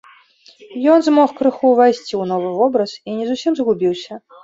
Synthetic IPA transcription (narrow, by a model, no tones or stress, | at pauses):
jɔnzmɔxkɾɨxuvajsʲt͡sʲiwnɔvɨvɔbɾɐsinʲɛzusʲimzɣubʲiwsʲɐ